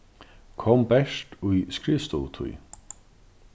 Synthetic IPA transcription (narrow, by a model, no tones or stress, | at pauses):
kʰɔmbɛʂt̪ujskɾɪst̪ɔ̰t̪ʰṵj